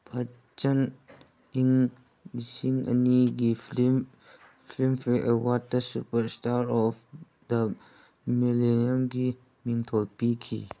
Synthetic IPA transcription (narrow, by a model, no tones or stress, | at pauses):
ba | t͡ʃan | iŋ | misiŋɐ̰niɡiim | fʰimpʰiʔəwad̚dɐsupəɾstʰaɾɔf | də | mileniəmɡi | miŋtʰɔlpikʰḭ